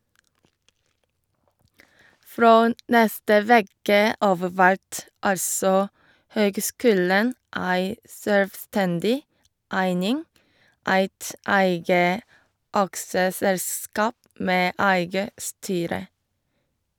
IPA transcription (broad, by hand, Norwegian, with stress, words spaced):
ˈfɹoː ˈnɛstə ˈʋeːkə ˈɑːʋ ˈʋæɹt ˈɑlsɔ ˈhøːɡˌskʉːlən ˈʔæɪ sœlʋˈstɛndɪ ˈʔæɪnɪŋ ˈæɪt ˈæɪɡə ˈɑksəˌsɛlˌskɑːp ˈmeː ˈæɪɡə ˈstyːɾə